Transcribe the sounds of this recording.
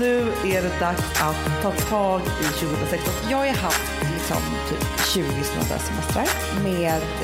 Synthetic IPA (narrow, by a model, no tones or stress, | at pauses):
nʉ̟ːæɖɛd̪aksat̪ʰːɑːt̪ʰɑːɡ | ɪɕʉɡəhnɾasɛkst̪ɔnjɑːɡaɾɦaft̪ | lɪksɔ̰mt̪ʰy̰ːpɕʉ̟ːɡɪsla̰nd̪ə̰sɛmɛst̪ɾəɾ | meːd̪